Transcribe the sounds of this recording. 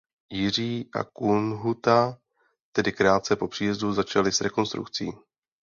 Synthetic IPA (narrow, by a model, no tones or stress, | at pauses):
jɪr̝iːʔa̰kunɦut̪a | t̪ɛdɪkɾaːt̪̚t͡sɛpo̞pr̥iːjɛzduzat͡ʃalɪsɾɛko̞nst̪ɾṵkt͡sḭː